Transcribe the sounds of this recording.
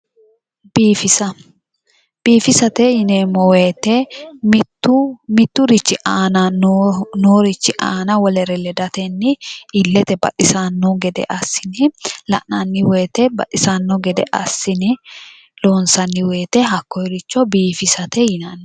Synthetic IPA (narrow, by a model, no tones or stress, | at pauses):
biːfɪsɐ | b̥iːfɪsɐt̪ɛjɪneːmːɔweːt̪ːɛmt̪ːʊmɪt̪ːʊɾɪt͡ʃːɪʔaːnɐ | noːɾɪt͡ʃːɪʔaːnɐwɔlɛɾɛlɛd̪ɐt̪ɛnːɪɪlːɛt̪ɛbɐ̰ᶑʼɪsɐnːɔɡɛd̪ɛ̰ʔɐsːɪnɪlɐ̰ʔnɐnːɪweːt̪ɛbɐ̰ᶑɪsɐnːɔɡɛd̪ɛ̰ʔɐ̰sːɪnɪ | loːnsɐnːɪwe̞ːt̪ɛɦɐkːɔjɾɪt͡ʃːɔbiːfɪsɐt̪ɛjɪnɐn